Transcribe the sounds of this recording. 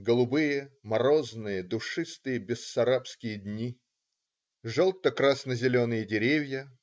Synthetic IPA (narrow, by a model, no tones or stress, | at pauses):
ɡəlˠʊbɨjəmɐɾo̞znɨjəd̪ʊʂɨst̪ɨjəbʲɪsːɐɾapskʲɪjədʲnʲi | ʐolˠt̪əkɾasnəzʲɪlʲo̞nɨjədʲɪɾʲevʲjə